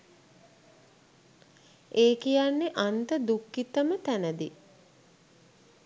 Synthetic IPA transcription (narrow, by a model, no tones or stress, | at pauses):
eːkijanːeʔant̪əd̪ukːit̪əmət̪ænəd̪ḭ